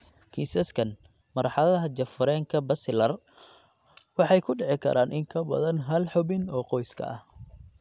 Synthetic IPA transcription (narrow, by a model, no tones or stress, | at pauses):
kʰiːsɐskʰɐn | mɐɾħɑðɐɐɦɐd͡ʒɐfʊɾɛːŋkʰɐbɐsɪlɐr | wɑħɑjkʰʊɖɛʕɪkʰɐ̰ɾʔaːnʔɪŋkʰɐbɐ̰ðɐnɦɐlħɔbɪnɔːqɔjskʰɐ̰ʔɐh